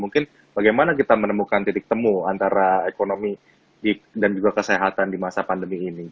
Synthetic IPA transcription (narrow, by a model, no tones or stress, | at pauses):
muŋkɪn | baɡajmanak̬it̪amənəmukant̪idɪk̚t̪əmuant̪aɾaekonomi | didand͡ʒuɡakəseɦat̪andimasapandəmiːni